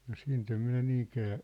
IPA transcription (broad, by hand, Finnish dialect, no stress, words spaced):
no siːnt em minæ niːŋkæː